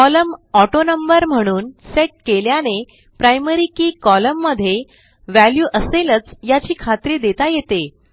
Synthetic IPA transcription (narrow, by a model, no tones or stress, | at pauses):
kɔləmɔʈonəmbəɾm̤əɽ̃uːnseʈ̚keljane | pɾajməɾiːkiːkɔləmːəd̪ʱːje | ʋæljuːʔəselət͡sjat͡ɕiːkʰat̪ɾiːd̪et̪ajet̪e